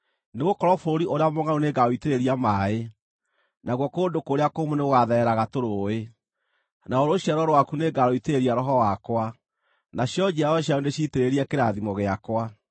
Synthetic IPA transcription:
neɣokɔɾɔfoɾiʔoɾeamoŋaoneɡaoiteɾeɾiamae | naɣwɔkoːdokoːɾeakomoneɣoɣaðɛɛɾaɣatoɾoe | naoɾoɕjaɾɔɾowakuneɡaɾoiteɾeɾiaɾɔɦɔwakwa | naɕjɔd͡ʑiaɔɕjaondeɕiteɾeɾiakeɾaðimɔɣeakwa

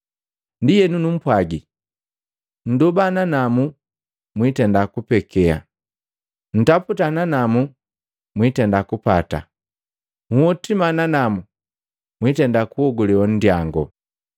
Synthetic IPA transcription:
ndijɛnunum̩pwaɡi | n̩dɔbananamu | mwitɛndakupɛkɛa̰ | n̩taputananamu | mwitɛndakupata̰ | muɔtimananamu | mwitɛndakuɔɡɔlɛwan̩djaŋɡɔ

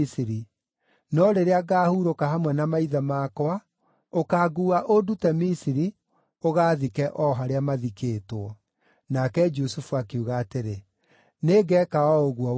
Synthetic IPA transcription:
siɾi | nɔɾeɾeaɡaːhuɾokahamwɛnamaiðamaːkwa | okaːɡuaʔodutɛmisiɾi | oɣaːðikɛʔɔɦaɾeamaðikeːtɔ | nakɛd͡ʒusufuakeuɣaːteɾe | neːɡɛkaɔoɣuɔ

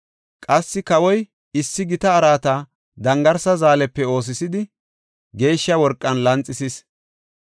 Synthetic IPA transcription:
kʼɐsːɪkɐwɔj | ɪsːɪɡɪt̪ɐːɾaːt̪ɐ | d̪ɐŋɡɐɾsɐzaːlɛpːɛo̞ːs̬ɪsɪd̪ɪ | ɡe̞ːʃːɐwɔɾkʼːɐnlɐnt͡sʼːɪsis

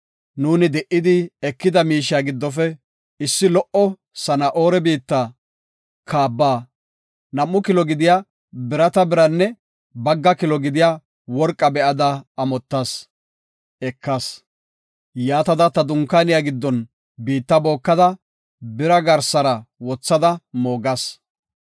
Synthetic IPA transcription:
nuːnɪd̪ɛʔɪd̪ɪɛkːɪd̪ɐmiːʃɪjaɡɪd̪ːɔfɛ | ɪsːɪlɔʔɔ | sɐnɐʔo̞ːɾɛbiːt̪ːa | kʰaːbːaː | nɐmːʊkɪlɔɡɪd̪ɪja | bɪɾɐt̪ɐbɪɾɐnːɛ | bɐɡːɐkɪlɔɡɪd̪ɪja | wɔɾkʼːɐbɛʔɐd̪ɐːmɔt̪ːɐs | ɛkːɐs | jaːt̪ɐd̪ɐt̪ɐd̪ʊŋkːanɪjaɡɪd̪ːɔn | biːt̪ːɐbo̞ːkːɐd̪ɐ | bɪɾɐɡɐɾsɐɾɐwɔt͡sːɐd̪ɐmo̞ːɡɐs

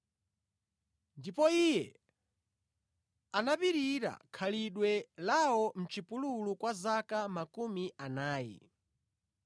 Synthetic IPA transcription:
ndipɔijɛ | anapiɾiɾa̰kʰaliɗwɛlawɔm̩t͡ʃipululukwazakamakumiʔanaːjɛ̰

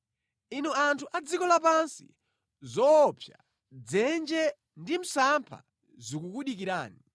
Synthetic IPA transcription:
inɛantʰuʔad͡zikɔlap̬ansḭ | zɔːpʰja | d͡zɛnd͡ʒɛ | ndim̩sampʰa̰ | zikukuɗik̬iɾaːni

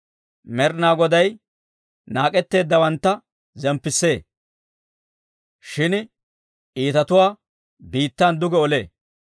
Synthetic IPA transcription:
mɛɾnaːɡɔd̪ɐj | naːkʼɛt̪ːe̞ːd̪ːɐwɐnt̪ːɐ | zɛmpːɪsːe̞ː | ʃɪn | ʔiːt̪ɐt̪ʊwaː | biːt̪ːaːnd̪ʊɡɛɔlḛː

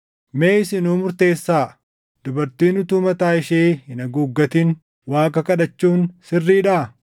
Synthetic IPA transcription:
meːɪsɪnuːmʊɾt̪eːsːaː | d̪̥ʊbɐɾt̪iːnʊt̪uːmɐt̪aːɪʃeːhɪnɐɡuːɡːɐt̪in | waːkɐkɐᶑɐt͡ʃːuːnsɪrːiːᶑaː

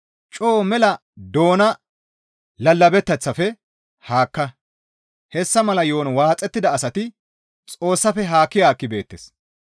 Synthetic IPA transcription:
t͡ʃʼoːmɛlɐ | d̪o̞ːnɐ | lɐlːɐbɛt̪ːɐt͡sːɐfɛ | haːkːɐ | hɛsːɐmɐlɐjoːnwaːt͡sʼːɛt̪ːɪd̪ɐːsɐt̪ɪ | t͡sʼo̞ːsːɐfɛɦaːkːɪjaːkːɪbe̞ːt̪ːes

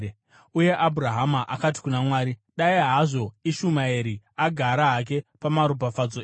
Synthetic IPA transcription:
uje̞ʔabʱuraɦamaʔakat̬i̥kunamwaːɾiɗaiɦaʐo̞iʃumaeɾi | aɡʱaɾaɦak̬e̞pamaɾup̬afad͡zo

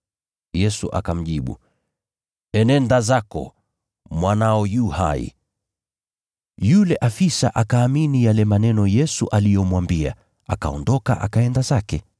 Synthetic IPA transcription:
jɛsuʔa̰kam̩ʄiɓṵ | ɛnɛndazakɔ̰ | mwanaɔjuha̰ḭ | julɛʔafisaʔakaːminijalɛmanɛnɔjɛsuʔalijɔmwambia̰ | aka̰ɔ̰ndɔka̰ʔa̰kaɛndazakɛ

